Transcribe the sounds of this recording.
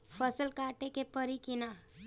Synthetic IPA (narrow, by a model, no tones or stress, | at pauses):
pʰəsəlkaːʈekepəɾikɪna